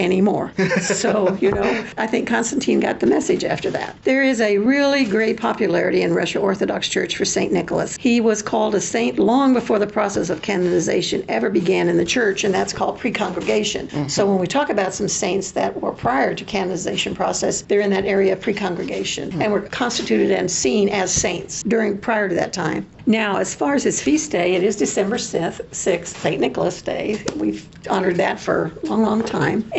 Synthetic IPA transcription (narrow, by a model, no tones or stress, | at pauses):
ɛñimɔ̰ɹsoʊjɨnoʊaɪθɪ̃ŋkʰːɑ̃nstn̩tʰĩnɡɑ̰t̪̚ðɨmɛsɨd͡ʒæ̰ftə˞ðæ̰t̪̚ðə˞ɪzɨɹɪlˠiɡɹeɪt̚pʰɑpjɨlɛɹɨɾiɨ̃nɹʌʃɨɔɹθɨdɑ̰kst͡ʃʰɜ̰˞t͡ʃfə˞sẽɪ̃nːɪkl̩ˠəshiwʌz̥kʰɔlˠdəsẽɪ̃nʔlɔ̃ŋbɨfɔɹðəpʰɹ̥ɔsɛsʌv̥kʰænɨnɨzḛɪʃɨ̃nɛvə˞bɨɡæ̃nɨ̃nðɨt͡ʃʰɜ˞t͡ʃɨ̃nðætskʰɔ̰lˠd̚pʰɹ̥ikʰɑ̃ŋɡɹɨɡeɪʃɨ̰̃nsoʊwə̃nwitʰɔkɨbaʊtsʌ̃msẽɪ̃ntsðɨt̚wə̰˞pʰɹ̥aɪə˞ɾɨkʰænənɨzeɪʃɨ̃n̩pʰɹ̥ɔ̰sɛsðə˞ɨ̃nðɨɾɛɹiɨʌv̥pʰɹ̥ikʰɑ̃ŋɡɹɨɡeɪʃɨ̰̃nɨ̃nwɨɹkʰɑ̃nstɨtʰʉɾɨɾɨ̃nsĩnɨz̥sẽɪ̃ntsdʊɹɪ̃ŋpʰɹ̥aɪə˞ɾɨðɨ̰tʰãɪ̃m | naʊɨz̥fɑɹɨz̥ɨz̥fisd̥eɪɨɾɪzdɨsɛ̃mbə˞sɪθsɪkssẽɪ̃nɪkl̩ˠəsd̥ḛɪwiv | ɑnə˞d̪̚ðɨ̰tfə̰˞lɔ̃ŋlɔ̃ŋtʰãɪ̃m